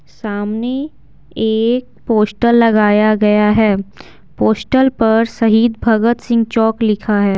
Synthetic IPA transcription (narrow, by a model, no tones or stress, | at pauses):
ssaːmne | eːk̚ | poːsʈəlːɐɡaːjaɡɐjaɦɛː | poːsʈəlpɐɾsɐɦiːd̪bʱɐɡət̪sɪ̃ŋɡt͡ʃɔːklɪkʰaɦɛː